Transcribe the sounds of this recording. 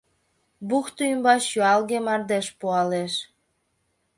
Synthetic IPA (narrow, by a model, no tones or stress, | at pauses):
buxt̪uymbɑʃyɑlɣemɑrd̪eʃpuɑleʃ